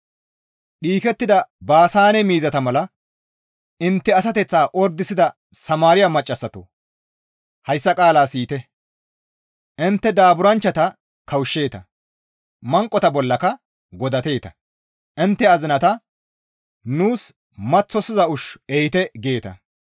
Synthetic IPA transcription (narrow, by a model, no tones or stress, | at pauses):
ɗiːkɛt̪ːɪd̪ɐbaːsaːnɛmiːzɐt̪ɐmɐlɐ | ɪnt̪ːɛɐs̬ɐt̪ɛt͡sːaːʔɔɾd̪ːɪsɪd̪ɐ | sɐmaːɾɪjamɐt͡ʃʼːɐsːɐt̪o | hɐjsːɐkʼaːlaːsiːt̪ɛ | ʔɪnt̪ːɛd̪aːbʊɾɐnt͡ʃːɐt̪ɐ | kɐwʃːe̞ːt̪ɐ | mɐŋkʼːɔt̪ɐbɔlːɐkɐ | ɡɔd̪ɐt̪e̞ːt̪ɐ | ʔɪnt̪ːɛɐzɪnɐt̪ɐ | nuːs | mɐt͡sːɔsɪzɐʊʃɛjɪt̪ɛɡe̞ːt̪ɐ̰